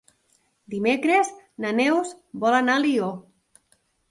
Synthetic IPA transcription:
d̪imekɾeznanewzbɔlanalio

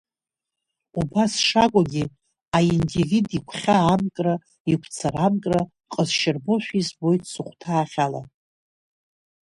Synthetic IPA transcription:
ubasʂakʷʼaɡʲi | aindividikʷʰχʲaːmkʼra | ikʷʰt͡sʰaramkʼra | qʼəzʃɪrboʃᶣizbo̞jtʰʼsɨχʷtʰaːχʲala̰

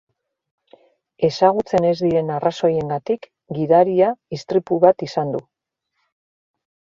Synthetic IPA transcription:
e̞saɣut͡se̞ne̞zd̪iɾe̞naraso̞je̞ŋɡat̪ik | ɡiðaɾiaist̪ɾipuβat̪isand̪u

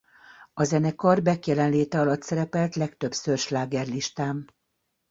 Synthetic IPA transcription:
ɒzɛnɛkɒrbɛkjɛlɛnleːt̪ɛɒlɒt̪sɛɾɛpɛlt̪lɛkt̪ø̞bsørʃlaːɡɛrliʃt̪aːm

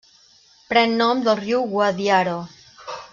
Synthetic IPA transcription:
pɾɛnːɔmd̪əlˠriwɣwaðjaɾo

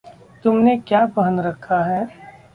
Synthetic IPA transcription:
t̪ʊmnekjaːpɐɦənɾɐkʰːaɦɛː

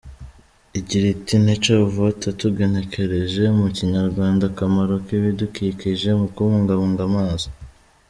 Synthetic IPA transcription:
iɟiɾitin̥et͡ʃovotatuɡe̞ne̞kʰe̞ɾe̞ʒe̞muciɲaɾɡwaːndakamaɾokiβidukiːkiʒe̞mukuβuːŋɡaβuːŋɡamaːzo̥

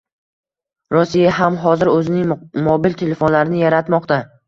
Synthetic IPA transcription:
ɾɔsijaɦamɦɒzɪɾɵzɪnɪŋmobilt̪ʰe̞le̞fonlaɾɪnɪjaɾat̪mɒqt̪a

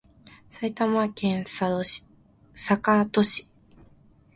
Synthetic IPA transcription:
sait̪amakẽɰ̃sḁ | sakat̪oɕi̥

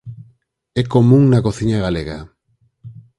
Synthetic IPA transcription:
ɛkomũŋnakoθiɲaɣaleɣa̰

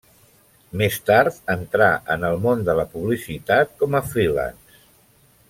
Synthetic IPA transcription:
mest̪aɾt̪ənt̪ɾaʔənəlˠmond̪ələpuβlisit̪at̪̚kɔməfɾila̰ns

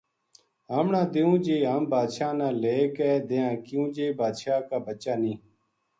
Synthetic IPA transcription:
ɦaːmɳãːd̪ɪũːd͡ʒeːɦaːmbaːd̪ʃaːnãːleːkeːd̪ejãːkɪjũːd͡ʒeːbaːd̪ʃaːkaːbət͡ʃaːnĩː

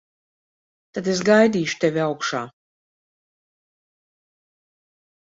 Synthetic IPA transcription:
t̪ad̪es̬ɡajd̪iːʃu̥t̪evʲiawkʃaː

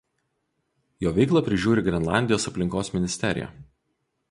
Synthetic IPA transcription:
joːʋʲɛɪklˠɐˑpʲɾʲɪʒʲuːɾʲɪɡɾʲɛnlˠɑ̰ˑnʲd̪ʲɪjoːsɐpʲlʲɪŋkoːsmʲɪnʲɪsʲt̪ʲɛɾʲɪ̰jɛ̰ˑ

